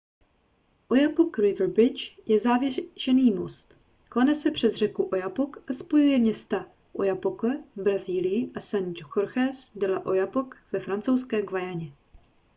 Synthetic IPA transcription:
ʔojapokɾɪvbɾɪt͡ʃjɛzaːvjɛʒ̥ɛniːmost̪ | klanɛsɛpr̝̥ɛzr̝ɛkuʔojapokʔaspo̞jujɛmɲɛst̪a | ʔojapokɛvbɾaziːlɪjɪʔasand͡ʒoxoɾxɛsdalaʔo̞japokvɛfɾant͡sowskɛːɡvajaɲɛ

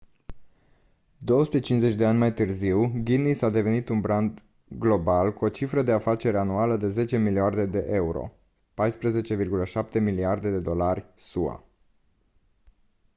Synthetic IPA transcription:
d̪o̞wəsu̥t̪e̞t͡ʃinze̞t͡ʃʲd̪e̞anʲmajt̪ɨrziwɡʲinisad̪e̞ve̞nit̪unbɾand̪ | ɡlo̞balkuo̞t͡ʃifɾəd̪e̞afat͡ʃe̞ɾeanualəd̪e̞ze̞t͡ʃe̞miliard̪e̞d̪e̞ʔe̞uɾo̞̰ | pajspɾəze̞t͡ʃe̞virɡuləʃap̚t̪e̞miliard̪e̞d̪e̞d̪o̞larʲsua̰

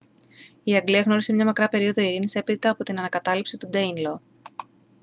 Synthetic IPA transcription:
iɐŋɡliɐɣno̞ɾise̞mɲɐmɐkɾɐpe̞ɾio̞ðo̞iɾinise̞piðit̪ɐːpo̞t̪inɐnɐkɐt̪ɐlipsit̪ud̪einlo

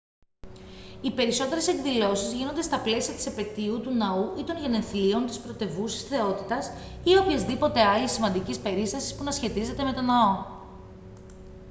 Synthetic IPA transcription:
ipe̞ɾiso̞t̪e̞ɾe̞seɡðilo̞sizʝino̞nd̪est̪ɐple̞siɐt̪i̥sepe̞t̪iut̪unɐuʔit̪o̞nʝeneθlio̞nt̪ispɾo̞t̪e̞vusisθe̞o̞t̪it̪ɐsio̞pçɐzðipo̞t̪e̞ɐlisːimɐnd̪icispe̞ɾist̪ɐsi̥spunɐsçe̞t̪ize̞t̪e̞me̞t̪o̞nɐo

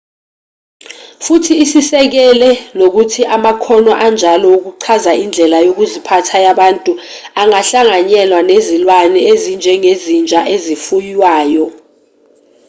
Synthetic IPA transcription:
futʰiːsisɛk̬ɛlɛnok̬utʰiʔamakʰɔnɔʔand͡ʒʱalɔuk̬uǀʰazaʔind͡ɮʱɛlajok̬uzipʰatʰajaɓantʼu | aŋaɬaŋaɲɛlwanezilwanɛezind͡ʒʱɛŋezind͡ʒʱaʔezifujwaːjɔ

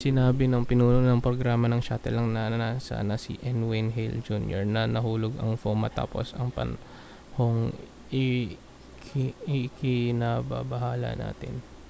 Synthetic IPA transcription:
sɪnaːbɪnɐŋpɪnuːnonɐŋpɾoɡɾaːmɐnɐŋʃat̪ɛlːɐŋnɐnasa̰ːnɐsɪ̰ʔɛnwɪnɦɪld͡ʒuːnjo̰ɹnɐnɐɦuːloɡɐŋfoŋmɐt̪a̰ːpo̰sɐŋpɐ̰n | hoŋ | ɪ | kʰɪɪkɪnaba̰bɐhaːlɐ̰na̰ːt̪ɪn

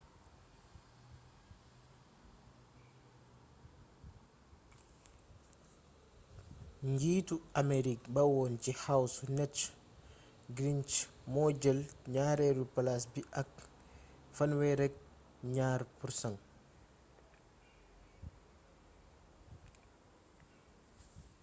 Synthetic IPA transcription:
ɲɟiːtuameɾik̚bɐwɔːncihawsunɛt | ɡɾint͡ʃ | mɔːɟəlɲaːɾɛɾupɐlasbiʔɐk̚ | fɐnwɛɾɛk̚ | ɲaːɾpursɐŋ

